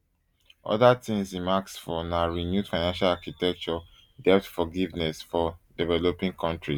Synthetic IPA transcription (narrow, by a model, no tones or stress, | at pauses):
ʔɔ̰ðatĩŋsĩnmaksfɔnaɹinjud̥faɪnãnʃalakitɛk̚t͡ʃɔ | dɛp̚tfɔɡivnɛsfɔdɛvɛlopĩŋkʰɔ̃ntɹi